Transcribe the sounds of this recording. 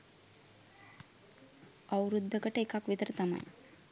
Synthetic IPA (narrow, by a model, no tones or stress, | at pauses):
əwɾud̪ʱːəkəʈekakʋit̪əɾt̪ɐma̰j